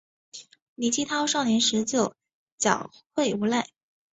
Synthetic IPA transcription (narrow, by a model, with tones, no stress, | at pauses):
li˧˥˩t͡ɕʰi˥t̪ʰɑ˥ʊʂɑ˥˩ʊnjɛ˧˥nʂɻ̩˧˥t͡ɕjo˨˩ʊ | t͡ɕjɑ˨˩ʊxwe˥˩ɪu˧˥la˥˩ɪ